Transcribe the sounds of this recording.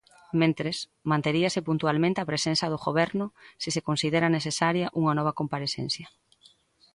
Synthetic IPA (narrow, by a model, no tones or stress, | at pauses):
mẽnt̪ɾes | mãnt̪eɾiɐsɪpunt̪ualmẽnt̪eapɾesenθɐðʊɣoβɛɾnʊsisekonsiðeɾɐnesesaɾjɐʔuŋɐnɔβ̞ɐkompaɾesḛn̟θjɐ